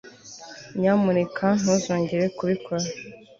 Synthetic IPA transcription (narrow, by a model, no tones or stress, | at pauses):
ɲamuɾekʰan̥huzoːɲɟeɾekuβikʰoɾa